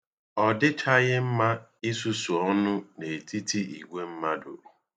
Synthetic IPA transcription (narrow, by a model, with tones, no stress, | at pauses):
ɔ˨dɪ˦tʰa˦ɣɪ˦m̩˦ma˦i˦su˦su˨ɔ˦nʊ˦ne˨ti˦ti˦ḭ˨ɡʷe˦m̩˦ma˦dʊ̰˨